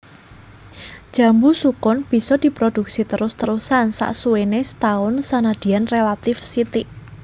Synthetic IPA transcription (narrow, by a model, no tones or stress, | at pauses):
d̥ʒ̥ä̤mbusukʊnb̥i̤sɔd̪̥i̤pɾod̪̥uk̚sit̪əɾʊst̪əɾusansa̰ʔsuwenesət̪aʊnsanad̪̥i̤anrelat̪ɪfsit̪ɪʔ